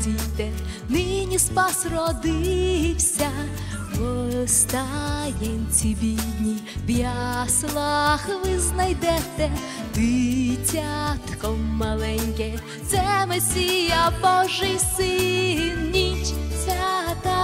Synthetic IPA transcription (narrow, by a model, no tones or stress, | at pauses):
it̪ɛ | nɪnʲispasɾɔd̪ɪwsʲa | bɔst̪ajɛmʲtʲibʲid̪ʲnʲibjaslˠaxʋɪznajd̪ɛt̪ɛ | t̪ɨtʲat̪kɔmːɐlˠɛnʲkʲɛ | t̪sɛmɛsʲijabɔʐɨjsɨnːʲit͡ʃsʲat̪a